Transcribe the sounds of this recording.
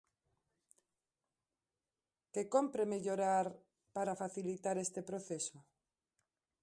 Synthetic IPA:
kekompɾemeʎoɾaɾ | paɾafaθilit̪aɾest̪epɾoθeso

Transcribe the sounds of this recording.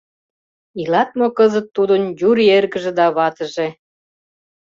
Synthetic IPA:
ilɑt̪̚mokəzət̪ːud̪ənjuɾierɣə̆ʒĕd̪ɑβɑt̪ə̆ʒĕ

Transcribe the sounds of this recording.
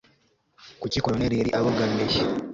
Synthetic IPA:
kucikooneɾeɾiʔaβoɡanːeçi

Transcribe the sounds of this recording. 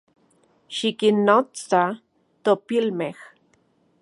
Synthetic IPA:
ʃikinːot͡sa | t̪opilmex

